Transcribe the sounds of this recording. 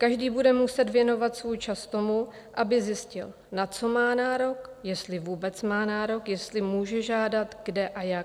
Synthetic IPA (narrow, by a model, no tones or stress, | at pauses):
kaʒdiːbudɛmusɛt̪vjɛno̞vat̪svuːjt͡ʃast̪o̞mu | ʔabɪzjɪscɪl | nat͡so̞maːnaːɾo̞kjɛst̪lɪvuːbɛt͡smaːnaːɾo̞kjɛst̪lɪmuːʒɛʒaːdat̪ɡdɛʔajak